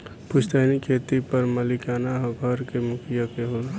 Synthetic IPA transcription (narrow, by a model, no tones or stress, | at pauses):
pʊʃt̪aːnikʰeːt̪ipɐɾmɐlɪkaːnaɦɐɡʱəɾkemʊkʰɪjakeɦol